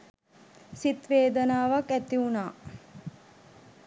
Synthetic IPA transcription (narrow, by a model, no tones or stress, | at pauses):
sit̪ʋeːd̪ənaːʋakæt̪iunaː